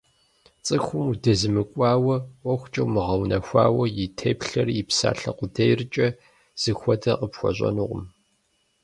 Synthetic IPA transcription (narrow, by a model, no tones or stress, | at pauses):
t͡sʼɨxʷʊmudɐzɨmɨkʷʼɑːwɐʔʷɔxʷt͡ʃʼɐwmɨʁɐwnʔɐxʷa̰ːwɐjɪtʰeːpɬɐripsa̰ːɬɐ̰qʷʊdɐjrɨt͡ʃʼɐ | z̥ɨxʷɔdɐqəpxʷɔ̰ɕʼɐ̰nuːʁʊ̰m